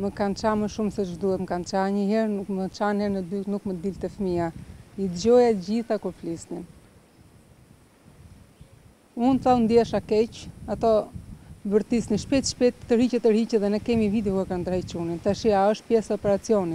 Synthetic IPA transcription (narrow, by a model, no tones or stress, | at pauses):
məkːant͡ʃaməʃumsɛt̪ʒd̪uhɛt̪məkant͡ʃaɲəɦɛɾnukmət͡ʃanhɛɾnəd̪yt̪nukməd̪ilt̪ɛfmiaid̪d͡ʑɔjaɟiθakuflisnin | unθaund̪iɛʃakɛcat̪ɔ | vəɾt̪isniʃpɛt̪ʃpɛt̪ːəɾicɛt̪əɾicɛðɛnɛkɛmivid̪ɛkɛkand̪əɾajt͡ʃunint̪aʃiaəʃt̪̚pjɛsɛɔpɛɾat͡siɔni